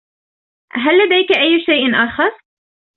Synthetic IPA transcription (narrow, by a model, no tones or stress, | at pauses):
ɦalːad̪ajkaʔajːʃajʔɪnʔaːxɑɾˤ